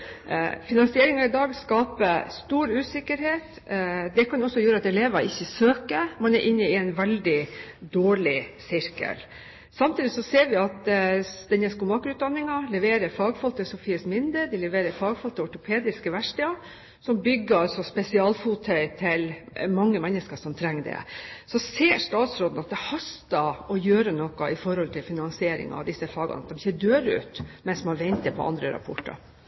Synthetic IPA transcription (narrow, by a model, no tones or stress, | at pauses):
fɪnɑnsɪɛɾɪŋɑɪd̪ɑːɡskɑːpəst̪uːɾʉːsɪkːəɾheːt̪ | d̪ɛkʰɑnɔsːɔjøːɾəɑt̪ɛleːʋɑʔɪçːəsøːkəmɑnɛɾʔɪnːəɪɛnʋɛld̪ɪd̪oːɭɪsɪɾkə̰l | sɑmt̪iːd̪ɪsɔseːɾʋɪɑt̪d̪ɛnːəskʊmɑːkɾʉːt̪̚d̪ɑnːɪŋɑlɛʋeːɾəɾfɑːɡfɔlt̪əsʊfiːəsmɪnd̪əd̪ɪlɛʋeːɾəɾfɑːɡfɔlt̪ʰːəɔʈʊpʰeːd̪ɪskəʋæʂʈəɑ | sɔmbʏɡːəɾɑlsɔspɛsɪɑːlfuːt̪ʰœʏt̪ʰɪlmɑŋːəmɛnːəskəʂɔmt̪ʰɾɛŋːd̪ɛ̰sɔseːʂt̪ɑːt̪sɾoːd̪nɑt̪̚d̪ɛhɑst̪ɑɔjøːɾənɔkːɑʔɪfɔɾhɔlt̪ʰɪlfɪnɑŋsɪeːɾɪ̰ŋɑ̰ʋd̪ɪsːəfɑːɡɑ̰nɑt̪̚d̪ɛmɪçəd̪øːɾʉ̰ːt̪mɛnsmɑnɑɾʋɛnt̪əpʰɔ̰ʔɑ̰nd̪ɾə̰ɾɑ̰pʰɔ̰ʈːɑ̰ɾ